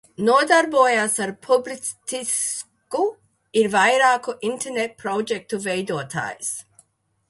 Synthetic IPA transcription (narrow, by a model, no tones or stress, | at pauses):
nuɔd̪aɾboːjasaɾpʰublitt̪is | ku | iɾvajɾaːkuʔint̪ʰeɾnet̪̚pɾod͡ʒek̚t̪uvejd̪uɔt̪ʰa̰ːjs